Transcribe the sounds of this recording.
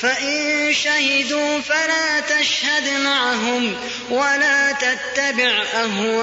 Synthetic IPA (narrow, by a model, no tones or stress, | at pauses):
faʔɪnʃahɪd̪uːfalaːt̪aʃhad̪maʕaɦʊm | walaːt̪at̪ːabɪʕʔaɦʊ